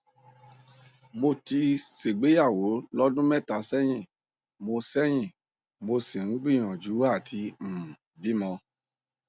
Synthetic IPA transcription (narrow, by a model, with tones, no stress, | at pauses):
mo˧ti˧se˨ɡ͡be˨˦ja˦˨wo˨˦lɔ˦dũ˦mɛ˦˨ta˨˧sɛ˦j̃ĩ˦˨ | mo˧sɛ˦j̃ĩ˦˨ | mo˧si˨ŋ̩˦ɡ͡bĩ˦˨j̃ɔ̃˨d͡ʒu˨˦wa˦˨tʰi˧m̩˨ | bi˨˦mɔ̃˧